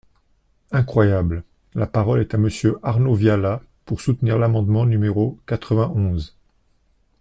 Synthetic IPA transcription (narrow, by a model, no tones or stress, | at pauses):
ɛ̃kχwajabl | lapaʁɔlɛt̪aməsjøʔaʁnovjala | puʁsut̪niʁlamɑ̃d̪mɑ̃nymeʁokat̪χəvɛ̃ʔɔ̃z